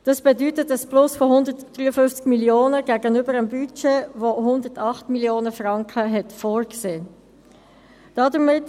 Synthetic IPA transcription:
d̥ɑsb̥ɛdytətəsplʊsfɔɦʊndətd̥ʁyːəfʏnft͡skmiljoːnəɡ̥æɡənʏbəɾəmbyt͡ʃeʋoɦʊnd̪ətɑχtmiljoːnəfrɑŋkχəɦɛtfoːɾkseː | d̥ɑdəɾmɪt

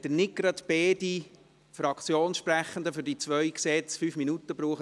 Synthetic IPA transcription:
d̪̥ənɪɡɾɑt̪b̥eːdi | fɾɑkt͡sjoːnsʃpɾæχən̩d̪əfʏɾdit͡svœʏksɛt͡sfyːfminutəbɾuːχə

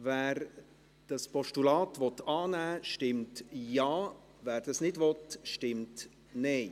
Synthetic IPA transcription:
vɛːɾ | d̥ɑspɔʃtulɑːtʋɔt̪ɑːnæːʃtɪmtjɑː | væːɾd̥ɑsnɪdvɔtʃtɪmt | nɛɪ

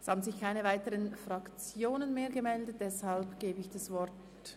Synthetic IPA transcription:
shaːbn̩zɪçkʰaɪnəvaɪtəʁənfʁɑkt͡sjoːnənmeːɐɡəmɛldət̚d̥ɛshalpɡ̥eːbəɪçd̥asvɔɾt

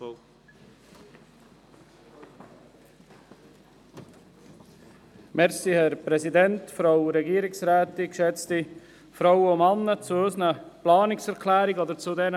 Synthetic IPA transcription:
mɛɾsihɛɾpɾɛsidɛntfɾaʊɾɛɡiəɾɪksɾæːtikʃɛt͡sti | fɾaʊwəʊmɑnːət͡suøsənəplɑːnɪksɛɾkʰlæːɾiɡɔd̪əɾt͡sudɛɾə

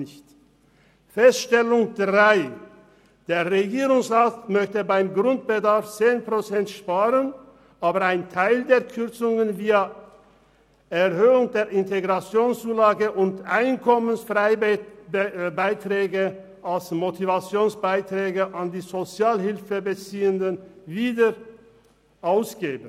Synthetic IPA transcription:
ɪçt | fɛstʃtɛlʊŋdʁaɪ | d̥eːɐʁeɡiːʁʊŋsʁaːtmœçtəbaɪmɡʁʊnt̚b̥ədaɐft͡seːnpʁ̥ot͡sɛntʃpaːʁən | ʔaːbɐaɪntʰaɪldeːɐkʰʏʁt͡sʊŋənviːɐ | ɛʁhøːʊŋdeːɐɪnteɡʁat͡sjoːnst͡suːlaːɡəʔʊntʔaɪnkʰɔmənsfʁɪ | baɪtʁ̥ɛːɡə | ʔalsmotʰivat͡sjoːnsb̥aɪtʁ̥ɛːɡəʔandiːzot͡sjaːlɦɪlfəbət͡siːəndənviːdə | ʔaʊsɡ̥eːbən̩

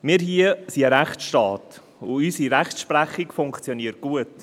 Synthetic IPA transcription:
mɪːɾɦiəsiəɾæχʃtɑːt | uysiɾæχtʃpɾæχːikfʊŋkt͡sjoniːət̚ɡ̥uət

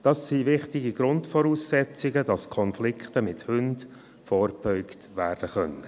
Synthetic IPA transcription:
d̥ɑsːiʋɪχtɪɡiɡ̥ɾʊntfɔɾuːsːɛt͡sɪɡədɑskʰɔnflɪkχtəmɪthʏnd | fɔːrb̥œʏktʋæːɾd̥əχœnə

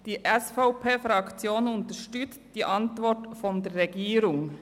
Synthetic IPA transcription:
d̥iːʔɛsfaʊpʰeːfɾɑkt͡sjoːnʊntəʃtʏt͡std̥iːʔɑntvɔtfɔndeːʁɛɡiːɾʊŋ

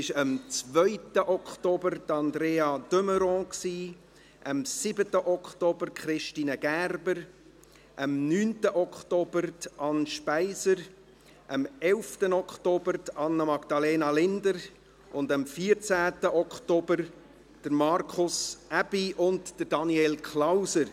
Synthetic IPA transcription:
ɪʃəmt͡svœʏtəʔɔkχtobəɾdɑnd̪ɾeːɑd̪øməɾɔ̃ːksiː | ʔəmsibətəʔɔkχtobəɾkχɾɪʃtiːnəɡ̥ærbəɾ | ʔəmnyːntəʔɔkχtobəɾtɑnʃpæɪzəɾ | ʔəmɛlftənɔkχtobəɾtɑnːəmɑɡ̥d̥̪ɑleːnɑlɪndəɾ | ʔʊndəmfiːəɾt͡sæːtəʔɔktobəɾ | d̥əɾmɑɾkʰʊsæb̥iʔʊntd̥əɾdɑniɛlkʰlawsəɾ

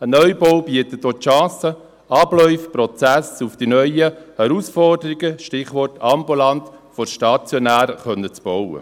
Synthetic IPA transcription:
ənœʏbɔwbiət̪ət̚ːoːʃɑ̃ːsə | ɑblœʏfpɾɔt͡sæsufd̥inœʏəhɛɾusfɔrdəɾiɡəʃtɪχʋɔrtʰɑmbulɑntfɔrʃtɑt͡sjɔnæːɾəχœnːət͡sb̥ɔwə̰

